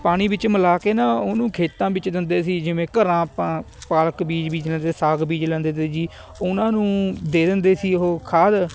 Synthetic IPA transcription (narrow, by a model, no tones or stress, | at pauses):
paːɽ̃iːbɪt͡ʃməlaːkeːnãːʊːnũːkʰeːt̪ãːbɪt͡ʃd̪ɪnd̪eːsiːd͡ʒɪʋẽːkəɾãːpãː | paːlkbiːd͡ʒbiːd͡ʒlɛ̃nd̪eeːsaːɡbiːd͡ʒlɛ̃ːnd̪eːt̪ed͡ʒiː | ʊnãːnũːd̪eːd̪ɪnd̪eːsiːɦoːkʰaːd̪